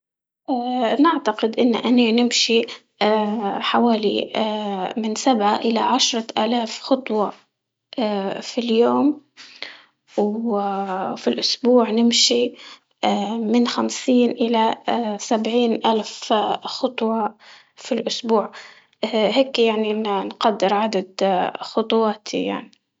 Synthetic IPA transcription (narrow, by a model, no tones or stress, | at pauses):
ʔaːnɪʕt̪aqɪd̪ʔɪnːʔaninɪmʃi | ħawaːlḭ | mɪnsabʕaʔɪlaʕaʃɾˤɑʔaːlaːfxɑt̪ˤwɑ | afiljoːm | w | filʔʊsbuːʕnɪmʃi | mɪnxamsiːnʔɪlasabʕiːnʔalfxʊt̪ˤwɑ | filʔʊsbuːʕ | heːkjaʕniʔnnqad̪ːɪɾʕad̪ad̪xʊt̪ˤwɑːt̪ʰḭja̰ʕni